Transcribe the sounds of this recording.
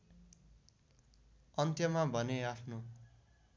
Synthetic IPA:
ʌnt̪jʌmabʱʌneapʰno

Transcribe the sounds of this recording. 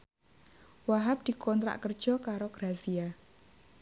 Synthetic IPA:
waɦap̚d̪̥i̤kʰɔnt̪ɾa̰ʔkər̥ʒ̥ɔkaɾoɡ̥ɾazia

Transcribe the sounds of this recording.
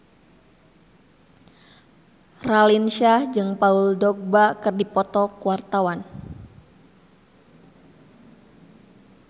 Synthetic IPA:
ralinʃahd͡ʒɨŋpauldɔk̚bakɨrdipɔt̪ɔkuwart̪awan

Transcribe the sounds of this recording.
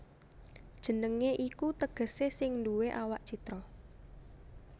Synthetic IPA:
d̥ʒ̥ə̤nəŋeʔikut̪əɡ̥ə̤sesɪŋnduweʔawaʔt͡ʃit̪ɾɔ

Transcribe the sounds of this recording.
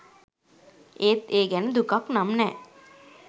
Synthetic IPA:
eːt̪eːɡænəd̪ukaknamnɛː

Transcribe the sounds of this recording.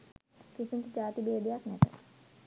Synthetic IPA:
kisimt̪d͡ʒaːt̪ibeːd̪ejaknɛt̪ə̰

